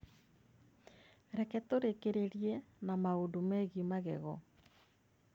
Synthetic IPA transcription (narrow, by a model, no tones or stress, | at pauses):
ɾɛkɛtoɾekeɾeɾjenamaondomɛɣimaɣɛ̰ɣɔ̰